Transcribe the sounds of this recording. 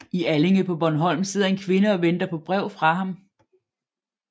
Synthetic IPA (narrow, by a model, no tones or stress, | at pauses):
iæle̝ŋəpʰɒ̽b̥ɒnɦɒ̽l̰mse̝ð̰ˠɐe̝nkʰʋe̝nəɒ̽ʋen̰d̥ɐpʰɒ̽b̥ʁɛʊ̰fʁɑ̈ɦɑ̈m